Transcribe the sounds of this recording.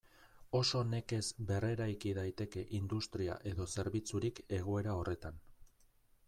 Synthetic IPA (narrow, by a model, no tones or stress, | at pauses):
o̞so̞ne̞ke̞zbe̞re̞ɾajkiðajt̪e̞ke̞ʔind̪ust̪ɾia̰ʔe̞ðo̞se̞ɾβit͡suɾike̞ɣ̞oe̞ɾao̞re̞t̪an